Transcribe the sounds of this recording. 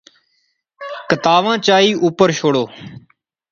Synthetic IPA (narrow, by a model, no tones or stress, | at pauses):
kət̪aːʋãːt͡ʃaːiːʔuːpəɾʃoːɽoː